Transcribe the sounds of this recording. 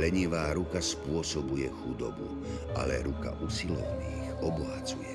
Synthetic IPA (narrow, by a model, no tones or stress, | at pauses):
lɛɲiʋaːɾukaspʊɔsɔbujɛxud̪ɔbṵ | a̰lɛɾuka̰ʔusilɔ̰ʋniːxɔbɔɦat͡sujɛ